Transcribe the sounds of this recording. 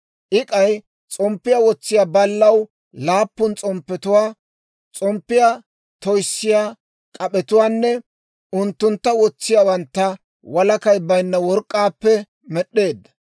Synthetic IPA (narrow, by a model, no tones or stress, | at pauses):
ʔɪkʼɐj | t͡sʼɔmpːɪjawɔt͡sːɪjaːbɐlːɐw | laːpːʊnt͡sʼɔmpːɛt̪ʊwaː | t͡sʼɔmpːɪja | t̪ɔjsːɪjaː | kʼɐɓʼɛt̪ʊwaːnːɛ | ʊnt̪ːʊnt̪ːɐwɔt͡sːɪjabɐnt̪ːɐ | wɐlɐkɐjbɐjnːɐwɔɾkʼːaːpːɛ | mɛɗːe̞ːd̪ːɐ̥